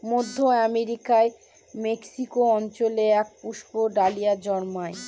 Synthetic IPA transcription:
mod̪ʱːoɛmeɾikae | meksikoɔnt͡ɕoleɛk̚puʃpoɖalijad͡ʑɔɾmae

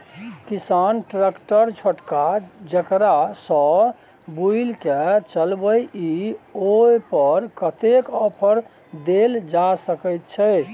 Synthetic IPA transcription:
kisanʈɾekʈəɾt͡ʃʰəʈkad͡ʒəkɾasɔ̃ | builket͡ʃəlbəjiojpəɾkət̪ekɔpʰəɾ | d̪eld͡ʒasəkəjt̪̚t͡ʃʰɛ

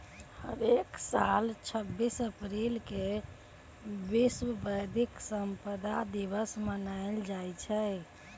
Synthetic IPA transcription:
hə̰beksalt͡ʃʰəbːisəpɾilke | biswəbəjd̪ʱiksəmpəd̪ʱad̪ibəsmənajld͡ʒajt͡ʃʰə

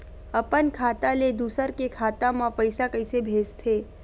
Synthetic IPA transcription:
əpənkʰaːt̪ãled̪uːsəɾkekʰaːt̪ãmãpəjsakəɪsebʱeːst̪ʰeː

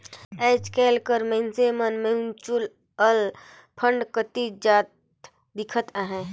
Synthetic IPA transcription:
eːt͡ʃkɛːlkəɾmẽnsemənmẽunt͡ʃul | əl | pʰə̃ɳɖkət̪id͡ʒaːt̪̚ | d̪ɪkʰət̪aɦɛ̃ː

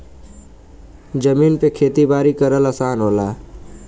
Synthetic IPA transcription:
d͡ʒəmiːnpekʰeːt̪ibaːɾikəɾələsaːnɦoːlaː

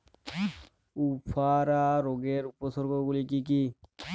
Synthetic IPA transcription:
upʰaɾaɾoɡeɾupɔsɔɾɡɔɡulikik̬i

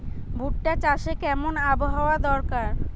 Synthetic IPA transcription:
bʱuʈːat͡ɕaʃekɛmonaboɦaoad̪ɔɾkaɾ

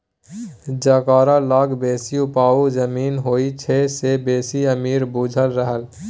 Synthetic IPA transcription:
d͡ʒakaːɾalaːɡbeːsiʊpaːuzəmiːnɦoːit͡ʃʰesebeːsiəmiːɾbud͡ʒʱəlɾəɦəl

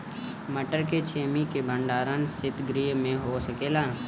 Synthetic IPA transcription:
məʈəɾket͡ʃʰeːmikebʱə̃ɳɖaːɾənsɪt̪ɡɾiːjmẽɦosəkeːlaː

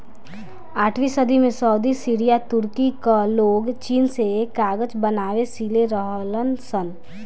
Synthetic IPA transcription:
aːʈʰʋisəd̪ʱimẽsɔːd̪isiːɾijat̪ʊɾkikaloːɡt͡ʃiːnsekaːɡəd͡ʒbənaːwesiːleɾəɦlənsən

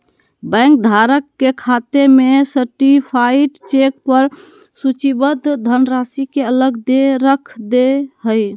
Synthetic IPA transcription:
bə̃ŋk̚d̪ʱaɾəkːekʰat̪emesəɾʈipʰaiʈt͡ʃek̚pəɾ | sut͡ʃibəd̪d̪ʱənɾasikeələɡd̪eɾəkʰd̪eɦəj

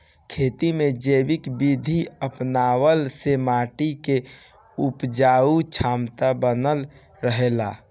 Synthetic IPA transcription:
kʰeːt̪imẽd͡ʒeːbɪkbid̪ʱiəpnaːwəlsemaːʈike | ʊpd͡ʒaːut͡ʃʰaːmt̪abənəl | ɾəɦela̰ː

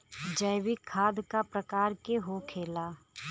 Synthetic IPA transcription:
d͡ʒəjwikʰaːd̪kapɾəkaːɾkeɦokʰeːlaː

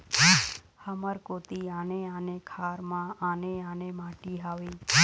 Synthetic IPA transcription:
həməɾkoːt̪iaːneaːnekʰaːɾmãaːneãːnemaːʈiɦaːʋi

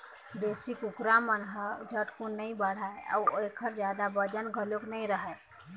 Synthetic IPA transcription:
d̪eːsɪkʊkɾamənɦəd͡ʒʱəʈkunəĩbəɽ̤aeɔ̰ekʰəɾd͡ʒjad̪abəd͡ʒənɡʱəloknəĩɾəɦɛ

